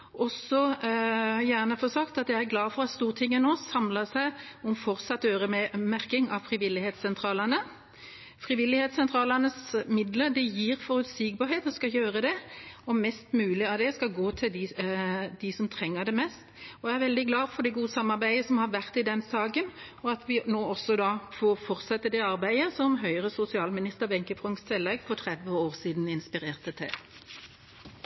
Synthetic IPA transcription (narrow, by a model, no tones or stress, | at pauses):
ʔɔsɔ | jæːʁnəfɔsɑkt̪ɑt̪jæɪæɾɡlɑːfɔɾɑt̪st̪uːʁt̪ʰɪŋːənɔsɑmləsæɪɔmfɔɾt̪sɑt̪ːøːɾəmæɾkɪŋɑʋfɾɪʋɪlːɪheːt̪sɛnt̪ʰɾɑːlənə | fɾɪʋɪlːɪheːt̪sɛnt̪ʰɾɑːlənəsmɪd̪ləɾd̪ɛjiːɾfɔɾʉt̪siɡ̚bɑːɾheːt̪ɔskɑjøːɾəd̪ɛɔmɛst̪mʉːlɪɑʋd̪ɛskɑɡoːt̪ʰɪld̪ɪ | d̪̥ɪsɔmt̪ʰɾɛŋːəd̪ɛmɛst̪ɔæɾʋɛld̪ɪɡlɑːfɔɖ̪ɛɡuːəsɑmːɑɾbæɪəsɔmhɑɾʋæʁt̪ɪd̪ɛnsɑːɡən | ɔɑt̪ʰʋɪnoːɔsːɔd̪ɑfɔfɔɾt̪sɛt̪ːəd̪ɛɑɾbæɪəsɔmɦœʏəʁəsʊsɪɑːlmɪnɪst̪əʁʋɛŋkəfʁʊŋst̪ʰɛlːɛɡfɔɾt̪ʰʁɛd̪ʋəoːʁsiːd̪n̩ɪnspɪɾeːʁt̪ət̪ʰɛ̰